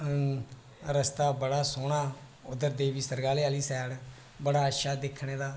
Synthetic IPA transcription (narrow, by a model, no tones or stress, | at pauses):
ɾəst̪aːbəɽaːsoːɽaː | ʊd̪əɾd̪eːʋiːsəɾɡaːleːaːliːsɛːɽ | bəɽaːʃaːd̪ɪkʰɽ̃eːd̪aː